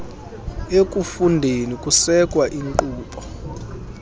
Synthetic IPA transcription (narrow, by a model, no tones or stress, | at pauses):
ekʼufundʱenikʼusɛkʼwaʔiŋǃuːpʼɔ̥